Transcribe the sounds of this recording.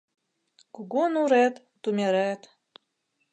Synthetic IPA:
kuɣonuɾæt̪ːumʲeɾæt̪

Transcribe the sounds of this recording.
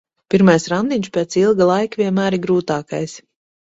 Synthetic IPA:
pʲiɾmajsɾand̪iɲʃpʲɛːt̪silˠɡalˠajkavʲiɛnmæːɾiɡɾuːt̪aːka̰js

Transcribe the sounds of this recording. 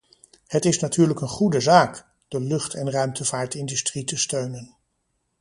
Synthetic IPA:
hətɪsnatyːɹləkənχudəzaːk | d̥əlɵχtʰɛnrœɥmtəvaːɹtɪndystritəstøɥnən

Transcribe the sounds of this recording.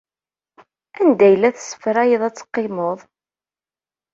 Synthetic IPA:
ænd̪æjəlæθsːə̥fɾæjiðˤæt͡sːə̥qːɪmoðˤ

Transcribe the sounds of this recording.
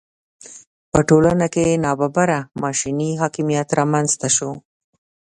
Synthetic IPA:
pəʈolanakenɑbabaɾamɑʃiniɦɑkimijat̪ɾɑmanzt̪aʃo

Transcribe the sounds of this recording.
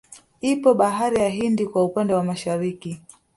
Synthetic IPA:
ipɔɓaɦaɾijaɦindikwaupandɛwamaʃaɾiki

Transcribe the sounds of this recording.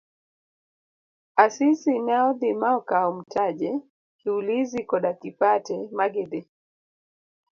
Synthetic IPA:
asisinaɔðimaɔkaɔm̩taʄɛ | kiulizikɔɗakipatɛmaɡɛɗɛ

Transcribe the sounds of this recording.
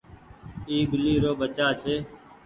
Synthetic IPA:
iːɡɪliːɾoːbət͡ʃaːt͡ʃʰeː

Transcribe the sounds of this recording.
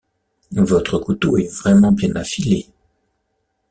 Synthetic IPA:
vɔt̪χəkut̪oɛvʁɛmɑ̃bjɛ̃nafile

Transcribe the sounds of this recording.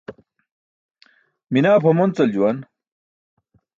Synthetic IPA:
minaːbhɐmont͡sɐld͡ʑuwɐn

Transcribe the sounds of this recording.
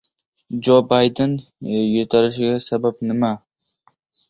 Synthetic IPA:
d͡ʒobajd̪ɪnjot̪ʰaɾɪʃɪɡʲasabap̚nɪma

